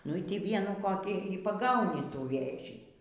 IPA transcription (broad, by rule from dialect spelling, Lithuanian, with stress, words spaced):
nʊ ˈiː ˈtʲiː ˈʋʲiɛnuː koːˈkʲiː iː pɐˈɡɐʊnʲɪ ˈtuː ˈʋʲeːʒʲiː